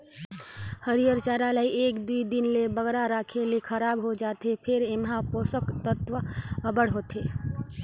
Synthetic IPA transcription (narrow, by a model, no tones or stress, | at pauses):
həɾijəɾt͡ʃaːɾaləiʔeːkd̪uid̪ɪnlebəɡɾaɾaːkʰelekʰəɾaːbɦod͡ʒaːt̪epʰɪɾɪmɦãpoːsəkt̪ət̪ʋəəbəɽɦot̪eː